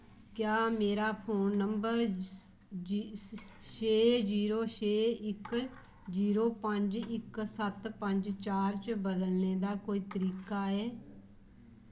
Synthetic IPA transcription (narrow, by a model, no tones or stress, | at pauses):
kjaːmeːɾaːpʰoːnːəmbəɾ | t͡ʃeːd͡ʒiːɾoːʃeːɪk | ziːɾoːpəɲd͡ʒɪksət̪pəɲd͡ʒt͡ʃaːɾt͡ʃbəd̪əlneːd̪aːkoːiːt̪əɾiːkaːɛː